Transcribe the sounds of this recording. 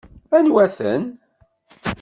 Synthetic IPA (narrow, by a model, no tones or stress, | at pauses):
ænwæθə̰n